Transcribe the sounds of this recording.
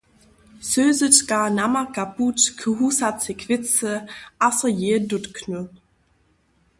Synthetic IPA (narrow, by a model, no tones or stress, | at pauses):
søːzətkanamakaputkʰəɦusat͡sɪkʰv̥ɪt͡səʔasəjeːdʊtkʰnø